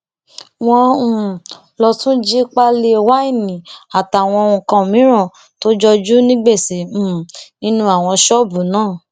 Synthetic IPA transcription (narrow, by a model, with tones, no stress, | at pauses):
w̃ɔ̃˧ũ˨ | lɔ˧tũ˦d͡ʒi˦k͡pa˧le˧˨wa˦i˦˨nĩ˨a˨ta˨w̃ɔ̃˧ũ˧˨kã˧˨mĩ˨˦ɾ̃ã˦˨ | to˦d͡ʒɔ˧d͡ʒu˦nĩ˦ɡ͡be˦˨si˨˦˨nĩ˧nũ˧˦a˨w̃ɔ̃˧ʃɔ˦˨bu˨nãː˦˨